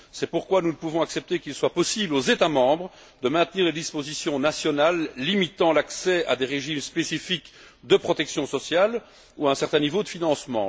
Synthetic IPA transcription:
sɛpuʁkwanunəpuvɔ̃aksɛp̚t̪ekilswapɔsiblozet̪amɑ̃ːbʁə | d̪əmɛ̃t̪niːʁled̪ispozisjɔ̃nasjɔnalːimit̪ɑ̃laksɛa̰d̪eʁeʒimspesifik | d̪əpχɔt̪ɛksjɔ̃sɔsjal | uaɛ̃sɛʁt̪ɛ̃nivod̪əfinɑ̃smɑ̰̃

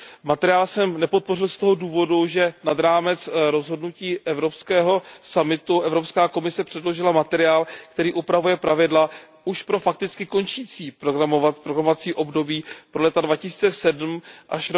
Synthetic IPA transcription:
mat̪ɛɾɪaːlsɛmnɛpo̞t̪̚po̞rɪlst̪o̞ɦo̞duːvo̞duʒɛnadɾaːmɛt͡sɾo̞zɦo̞dnuciːʔɛvɾo̞pskɛːɦo̞samɪt̪uʔɛvɾo̞pskaːko̞mɪsɛpr̥ɛdlo̞ʒɪlamat̪ɛɾɪaːlkt̪ɛɾiːʔupɾavujɛpɾavɪdla | uʃpɾo̞fak̚t̪ɪt͡skɪko̞nt͡ʃiːt͡siːpɾoɡɾamovat̪pɾoɡɾamovat͡siːʔo̞bdo̞biːpɾo̞lɛt̪advacɪsiːt͡sɛsɛdm̩ʔaʃ

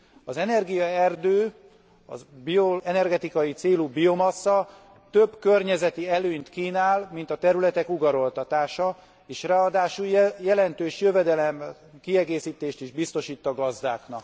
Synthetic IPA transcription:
ɒzɛnɛrɡijɒɛrd̪øː | ɒ̰bioɛnɛrɡɛt̪ikɒjit̪seːlubio̞mɒsːɒ | t̪ø̞bkø̞rɲɛzɛt̪iɛløːɲt̪kiːnaːlmint̪ɒt̪ɛɾylɛt̪ɛkuɡɒɾo̞lt̪ɒt̪aːʃɒ | eːʃrɛɒd̪aːʃujɛlɛnt̪øːʃjø̞vɛd̪ɛlɛm | kiɛɡeːsiːt̪eːʃt̪iʒbist̪o̞ʃiːt̪ːɒɡɒzd̪aːknɒk

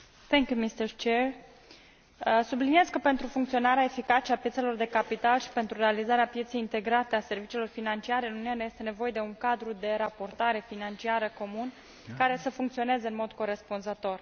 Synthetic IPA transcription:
θɛŋkjumist̪əɾt͡ʃer | əsublinije̞zkəpe̞nt̪ɾufuŋkt̪sio̞naɾeaefikat͡ʃeapjet̪se̞lo̞rd̪e̞kapit̪alʃi̥pe̞nt̪ɾurealizaɾeapje̞t̪sejint̪e̞ɡɾat̪e̞ase̞rvit͡ʃilo̞rfinant͡ʃiaɾe̞ɨnumnaneje̞st̪e̞ne̞vo̞je̞d̪e̞uŋkad̪ɾud̪e̞ɾapo̞rt̪aɾe̞finant͡ʃiaɾəko̞mun | kaɾe̞səfuŋkt̪sio̞ne̞zeɨnmo̞d̪ko̞ɾe̞spunzət̪o̞r

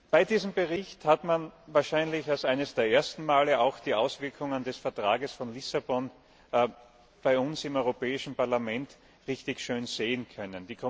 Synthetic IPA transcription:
b̥aɪdiːzəm̩bəʁɪçthatmanvaːɐʃaɪnlɪçalsʔaɪnəsd̥eːɐʔeːɐstn̩maːləʔaʊxd̥iːʔaʊsv̥ɪɐkʰʊŋəndɛsfɛɐtʁ̥aːɡəsfɔnlɪsabɔn | b̥aɪʊnsɪmɔʏʁopɛːɪʃn̩paɐlamɛnt | ʁɪçtɪçʃøːnz̥eːənkʰœnənd̥iːkʰɔ

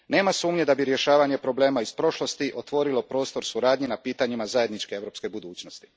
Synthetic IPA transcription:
ne̞ːmasuːmɲed̪abiɾje̞ʃaːʋaɲe̞pɾo̞ble̞ːmaispɾo̞ʃlo̞st̪iʔo̞t̪ʋo̞ɾilo̞pɾo̞ːst̪o̞ɾsuɾaːd̪ɲinapiːt̪aɲimazaje̞d̪nit͡ʃkeeʋɾo̞pske̞bud̪uːt͡ɕno̞st̪i̥

